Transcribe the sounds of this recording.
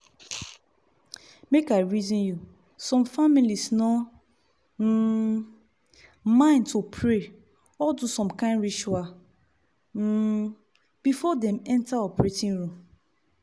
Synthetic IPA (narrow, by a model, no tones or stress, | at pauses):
mekaɪɹizĩnju | sɔ̃mfamilisnɔ | m̩ | mãɪ̃ntʰopʰɹe | ɔdusɔ̃mkãɪ̃nɹit͡ʃua | m̩ | b̥ifɔdɛ̃mɛ̃ntaɔpɹetĩnɹũm